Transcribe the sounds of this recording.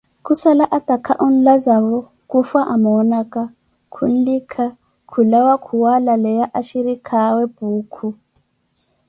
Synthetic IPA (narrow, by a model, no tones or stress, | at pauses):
kusalaʔatakʰaʔun̩lazaβɔ | kufaʔamɔnaka | kʰun̩likʰa | kʰulawakʰuwalalɛjaʔaʃiɾikʰaweb̥ʱuːkʰu